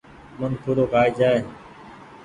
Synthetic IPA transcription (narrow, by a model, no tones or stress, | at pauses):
mənkʰuɾoːkaːiːd͡ʒaːeː